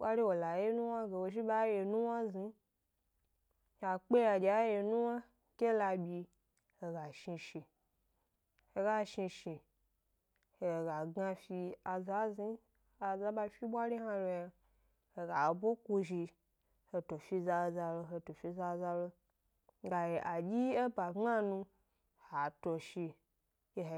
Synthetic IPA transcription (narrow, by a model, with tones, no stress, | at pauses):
ɓʷa˦ɾi˦wo˨la˨je˦nu˦wa˦ɡe˨wo˧ʒi˦ba˦je˧nũ˦wa˦zi˧˦ | a˨k͡pe˦ja˧d͡ʒʲa˨˦je˨˧nũ˦wa˦ | kʲe˦la˧bʲi˧ | he˨ɡa˨ʃi˧ʃi˨ | he˧ɡa˦ʃi˧ʃi˨ | e˨ɡa˨ɡa˧fi˧a˧za˦zi˦ | a˨za˧ɓa˧fi˦ɓʷa˦ɾʲi˦ɦa˧lo˧ja˧ | he˨ɡa˨bo˦ku˧ʒi˧ | he˧to˨fi˧za˧o˧za˧lo˧ɦe˧to˨fi˧za˧za˧lo˧ | ɡa˨je˨ʔa˨d͡ʒʲi˦e˦ba˨˦a˦nũ˧ | ha˨to˧ʃi˧ | e˧˨